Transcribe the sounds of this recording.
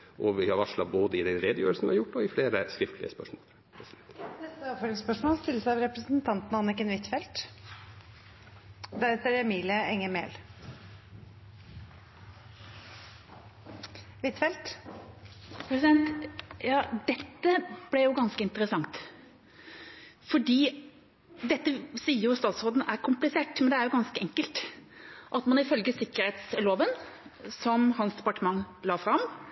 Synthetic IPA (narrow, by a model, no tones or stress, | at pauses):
ʔɔʋɪhɑʋɑʂlɑboːd̪əɪd̪ɛnɾeːd̪əjø̰ːɾlsn̩ʋɪhɑɾjʊʈːɔɪfleːɾəskɾɪft̪lɪ̰əspœʂmɔːl | pʰɾɛsɪd̪ɛnt̪nɛst̪əɑpføːɾɪŋspœʂmoːlst̪ɪlːəsæɪɑʋɾɛpɾəsn̩t̪ʰɑnt̪n̩ɑnɪkənʋɪt̪ːfɛlt̪ | d̪æheːt̪əɾɛmiːlɪəɛŋːəmḛːl | ʋɪt̪fɛlt̪ | pʰɾɛsɪd̪ɛnt̪jɑːd̪ɛt̪ːəb̥lɛjʊɡɑnskəɪnt̪əɾəsɑŋt̪ | fɔɖiː | d̪ɛt̪ːəsiːəɾjʊst̪ɑːt̪sʁoːd̪n̩æɾkʰʊmplɪseːʈmɛnd̪ɛæɾjʊɡɑnskəɛŋkəlt̪ | ʔɑt̪mɑnɪfœlɡəsɪkːəɾhɛt̪sloːʋənsɔmhɑnsd̪ɛpɑʈəmɑŋːlɑːfɾɑm